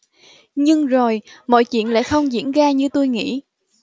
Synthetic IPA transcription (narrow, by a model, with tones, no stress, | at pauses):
ɲɨ˧ŋzo˨˩jmɔ̰˧˨jt͡ɕwḭ˧˨ənla̰ː˧˥xə˧wŋ͡mzḭ˧˥ənzaː˧ɲɨ˧t̪o˧jŋḭ˧˥